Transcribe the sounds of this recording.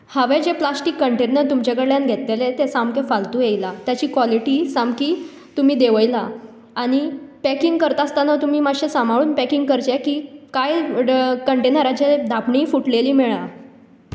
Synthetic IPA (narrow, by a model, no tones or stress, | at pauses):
haʋed͡ʑeplasʈikːəɳʈenəɾt̪umt͡ɕaɡəɽɭjanɡʱet̪lelet̪esamkefalt̪ujejlat̪jat͡ɕiːkʋɔliʈiːsamkiː | t̪umiːd̪eʋəjla | aɽ̃ipɛkiŋɡkəɾt̪aːst̪anat̪um̤iːmaɕesambʱaɭuːnpɛkiŋɡ̚kəɾt͡ɕekiːkajkəɳʈenəɾat͡ɕed̪ʱapɳiːfuʈleliːmeɭa